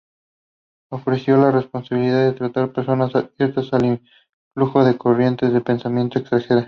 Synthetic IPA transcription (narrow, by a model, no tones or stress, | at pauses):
o̞fɾe̞sjo̞lare̞spo̞nsaβiliðaðet̪ɾat̪aɾpe̞ɾso̞nasaðβje̞ɾt̪asaliɱ | fluxo̞ðe̞ko̞rje̞nt̪ezðepe̞nsamje̞nt̪o̞eksaxeɾa